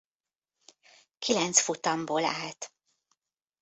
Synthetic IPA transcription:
kʰilɛnt̪sfut̪ɒmboːla̰ːlt̪

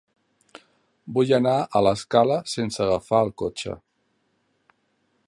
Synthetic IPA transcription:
bujənaʔələskaləsensəɣəfaəlˠkot͡ʃə̰

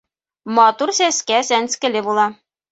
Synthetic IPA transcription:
mɑt̪uɾsæskæsænskɘ̆lɘbulˠɑ

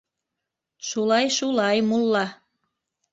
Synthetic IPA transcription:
ʃulɑjʃulɑjmulːɑ

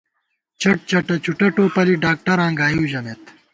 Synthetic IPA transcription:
t͡ɕɐʈ̚t͡ɕɐʈɐt͡ɕuʈɐʈoːpɐliɖaːk̚ʈɐɾãːŋɡaːjuwʑɐnet̪

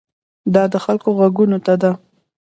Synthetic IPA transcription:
d̪ɑd̪əxalkoɣwaɡunot̪ad̪a

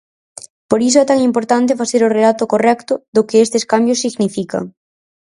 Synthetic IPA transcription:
poɾis̬oɛt̪aŋimpoɾt̪ant̪̬efaθeɾorelat̪ʊkorɛkt̪ʊðʊkɪest̪eskambjosːiɣnifikɐ̰ŋ

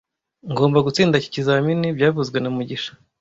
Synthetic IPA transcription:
ŋɡo̞ːmbaɡut͡siːndaci̥cizaminibɟaːvuzɡwe̞namuɟiʃḁ

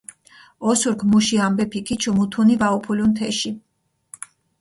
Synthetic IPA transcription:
ɔsuɾkʰmuʃiambɛpʰikʰit͡ʃʰumut̪ʰunivaupʰulunt̪ʰɛʃi

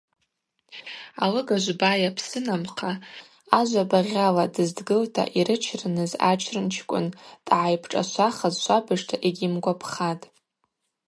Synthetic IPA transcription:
alɨɡaʒʷbajapʰsɨnamqʰa | aʒʷabaʁʲaladɨzdɡɨltʰa̰ʔiɾɨt͡ʃʰrɨnɨza̰t͡ʃʰrɨnt͡ʃʰkʷʼʊ̰nd̥ʼʕajpʰʈ͡ʂʼa̰ʃʷaχazʃʷabɨʂtʰaʔeɡʲimɡʷapʰχatʼ

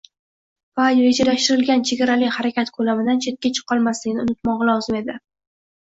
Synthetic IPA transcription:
vajved͡ʒalaʃt̪ɪɾɪlɡʲant͡ʃʰeɡʲaɾalɪkʲhaɾakʲat̪kʰolamɪd̪ant͡ʃʰe̞t̪̚kʲat͡ʃʰɨ̥qʰːɒlˠmaslɪɡʲnɪʊnɪt̪mɒʁɨlˠɒwzɪme̞d̪ɪ

